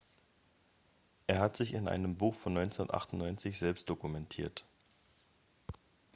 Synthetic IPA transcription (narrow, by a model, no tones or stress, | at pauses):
ʔeːɐɦatz̥ɪçɪnʔa̰ɪnəmbuːxfɔnːɔʏnt͡sondɐtʔa̰χtʊnnɔʏnt͡sɪçz̥ɛlpstd̥okumɛntʰiːɐt